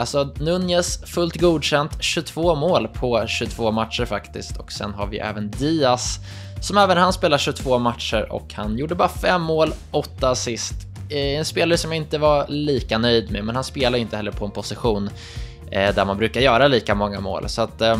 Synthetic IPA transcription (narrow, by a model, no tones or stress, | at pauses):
alsɔnɵnjəsfɵlt̪ɡuːd̪ɕɛnt̪ɕɵt̪ʰv̥oːmoːlpʰɔɕɵt̪ʰv̥oːmat̪ʂəɾfakt̪ɪ̰skt̪ʰɔksɛ̰nɦa̰ɾvɪj̰ʔɛ̰ːvənd̪iːasː | ɔmɛːvənhanspeːlaɕɵt̪ʰv̥oːmat̪ʂəɾʔɔ̰khanjuːɖəbɑːɾafɛmːoːlʔɔt̪ːasɪst̪ | ɛnspeːlaɾəsɔmjaɪnt̪əvaliːkanœjd̪mɛmɛnhanspeːlaɾjʏɪnt̪əhɛlːəɾpʰɔɛnpʰʊsɪɧuːn | d̪æɾmanbɾʉ̟ːkaɾjœːɾaliːkamɔŋːa̰mo̰ːlsɔat̪